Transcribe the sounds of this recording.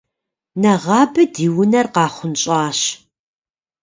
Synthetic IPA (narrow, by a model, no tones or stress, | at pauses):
nɐʁɑːbɨdiːwʊnɐrqɑːχʷʊnɕʼɑːɕ